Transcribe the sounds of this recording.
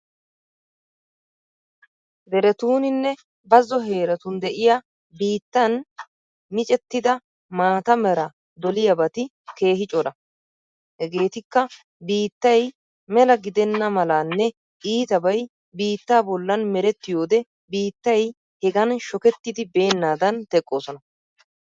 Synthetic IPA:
bɛɾɛt̪uːnɪnːɛ | bɐzːɔɦe̞ːɾɐt̪ʊnd̪ɛʔɪja | biːt̪ːɐn | mɪt͡ʃʼɛt̪ːɪd̪ɐ | maːt̪ɐmɛɾɐ | d̪ɔlɪjɐbɐt̪ɪ | ke̞ːhɪt͡ʃʼɔlɐ | hɛɡeːt̪ɪkːɐ | biːt̪ːɐj | mɛlɐɡɪd̪ɛnːɐmɐlanːɛ | iːt̪ɐbɐj | biːt̪ːaːbɔlːɐnmɛɾɛt̪ːɪjo̞ːd̪ɛ | biːt̪ːɐj | hɛɡɐnʃɔkɛt̪ːɪd̪ɪbe̞ːnːaːd̪ɐnt̪ɛkʼːo̞ːsɔnɐ

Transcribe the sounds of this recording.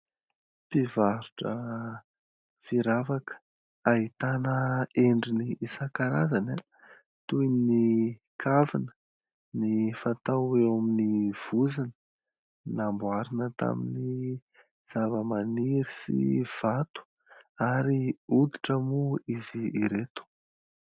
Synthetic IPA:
pivaɾuʈ͡ʂə | fiɾavakə̥ | aɦit̪anəeɳɖ͡ʐiniːsakaɾazana | t̪ujni | kʰavinə̥ | nifat̪aewaminiv̥uzinə | nambuaɾinət̪a̰mini | z̥avəmaniɾisḭv̥at̪u̥ | aɾiud̪i̥ʈ͡ʂəmuiziːɾet̪u̥

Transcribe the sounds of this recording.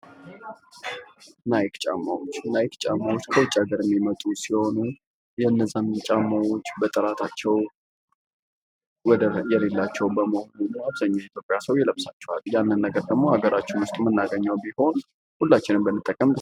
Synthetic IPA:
najkt͡ʃʼa̰mːawot͡ʃːnajkt͡ʃʼamːawo̞t͡ʃːkʰəwʊt͡ʃʼːaɡəɾɨmːimət̪ʼusiho̞nu | jɛnːəzanɨnt͡ʃʼamawot͡ʃːbət̪ʼɨɾat̪ʰat͡ʃːɛw | wɔd̪əjɛlelːat͡ʃːɛwbəməhonumaβzaɲːajit̪ʰjo̞pʼjasəwjɛləβsat͡ʃːɛwa̰ljanːɨnːəɡəɾd̪əɡmo̞aɡəɾat͡ʃːumɨst̪ʼumənːaɡəɲːawbiho̞n | hulːat͡ʃːɪnɨmbəmːɨt̪ʼːəkʼːəm

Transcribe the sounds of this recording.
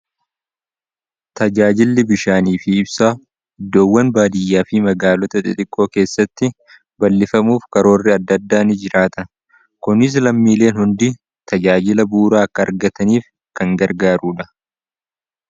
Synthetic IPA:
t̪ɐd͡ʒaːd͡ʒɪlːɪbɪʃaːniːfɪːbsaː | ɪd̪ːoːwːɐnbaːd̪ɪjːaːfɪmɐɡaːlɔt̪ɐt̪ʼɪt̪ʼɪkʼːo̞ːke̞ːsːɐt̪ːɪ | bɐlːɪfɐmuːfkɐɾo̞ːrːɪɐd̪ːɐd̪ːaːnɪd͡ʒɪɾaːt̪ɐ | kʊnɪs̬lɐmːiːle̞ːnhʊnd̪i | t̪ɐd͡ʒaːd͡ʒɪlɐbuːɾaːɐkːɐːɾɡɐt̪ɐniːf | kɐŋɡɐɾɡaːɾuːᶑɐ̥

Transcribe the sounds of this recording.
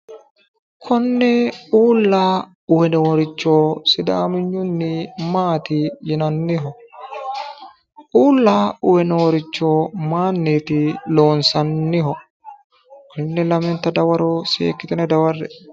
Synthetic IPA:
kʰɔnːɛuːlːaː | ʊwɛnɛwɔɾɪt͡ʃːo̞ːsɪd̪aːmɪɲːʊnːɪmaːt̪ɪjɪnɐnːɪɦɔ | uːlːaːʊwɛnɛwɔɾɪt͡ʃːo̞ːmaːnːeːt̪ɪlo̞ːnsɐnːɪɦɔ | kɐnːɛlɐmɛnt̪ːɐd̪ɐwɐɾoːsḛːkːɪt̪ɛnɛd̪ɐwɐrːɛ̰

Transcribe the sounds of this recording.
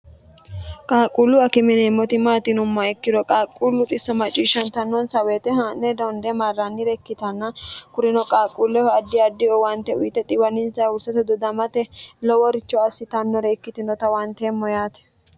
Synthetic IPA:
kʼaːkʼulːʊɐkɪmɪnemːɔt̪ɪmaːt̪ɪnʊmːɐɛkːɪd̪ɔkʼaːkʼːulːʊt̪ʼɪsːɔmɐt͡ʃʼːiːʃɐnt̪ɐnːɔnsɐweːt̪ɛɦanːɛd̪ɔnd̪ɛmarːanːɪɾɛkːɪt̪ɐnːɐkʊɾɪnɔkʼaːkʼːuːlːɛhɔɐd̪ːɪɐd̪ːɪɔwɐnt̪ɛʊjt̪ːɛt̪ʼɪwɐnɪnsɐʊsɐt̪ɛd̪ɔd̪ɐmɐt̪ɛlɔwɔɾɪt͡ʃːɔɐsːɪt̪ɐnːɔɾɛːkːɪt̪ɪnɔt̪ɐwɐnt̪eːmːɔjaːt̪ɛ̥

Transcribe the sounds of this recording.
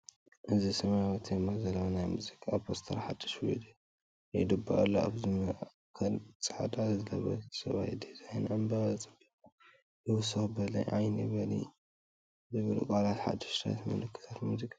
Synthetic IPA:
ʔɨzisɐmawɐt̪d̪mːazɐlːonajmuzikʼːapʰost̪ʰɐɾħad̪ːɐʃwid̪u | jejd̪ɨbːa̰ʔlːoa̰βzɨmɨa | kʰɐlt͡sʼɨħad̪ʼazɨlɐβɐ̰̥sɐβajd̪izajnʕɨmbat͡sʼɨbikʼ | jɨwʊsɐxbɐlɐ̰jʕajnibɐlḭ | zɨβɨlṵkʼalat̪ħa̰d̪ɐʃt̪ʰa̰t̪mɐ̰lɨkʰːɨ̥t̪ʰat̪muzikʼḁ

